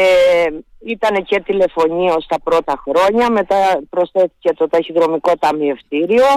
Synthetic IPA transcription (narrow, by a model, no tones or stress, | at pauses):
e | it̪ɐne̞ce̞t̪ile̞fo̞ɲiost̪ɐpɾo̞t̪ɐxɾo̞ɲɐme̞t̪ɐpɾo̞sθe̞θi̥ce̞t̪o̞t̪ɐçiðɾo̞miko̞t̪ɐmie̞ft̪iɾio̞